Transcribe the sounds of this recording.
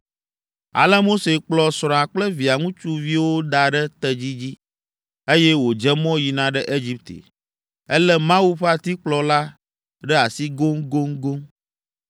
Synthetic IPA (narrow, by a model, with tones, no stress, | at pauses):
a̰˨lɛ˦mo˦se˨k͡plɔ˨sɾ̃ɔ̃˨a˨k͡plɛ˦vi˨a˨ŋũ˦t͡ʃu˦vi˦wo˦d̪a˨ɖɛ˦t̪ɛ˨d͡ʑi˦d͡ʑi˦ | e˦jɛ˦wo˨d͡ʒɛ˦mɔ̃˦ji˨nã˨ɖɛ˦ʔe˦d͡ʑi˦p̚t̪ḛ˨ | ɛ˦lɛ˦mã˦wu˦ɸa˨t̪i˦k͡plɔ˨la˦ | ɖɛ˦a˨si˦ɡo˦ŋɡo˦ŋɡo˦ŋ